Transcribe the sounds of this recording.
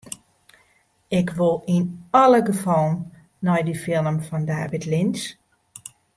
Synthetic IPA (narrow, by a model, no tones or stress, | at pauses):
ɪkʋolˠinɔlˠəɡəfɔlˠənː | ɔjdifɪnəmfɔndaːʋɪtlɪns